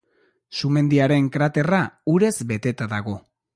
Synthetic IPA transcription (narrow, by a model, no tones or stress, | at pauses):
sume̞nd̪iaɾe̞ŋkɾat̪e̞rauɾe̞zbe̞t̪e̞t̪aðaɣ̞o̞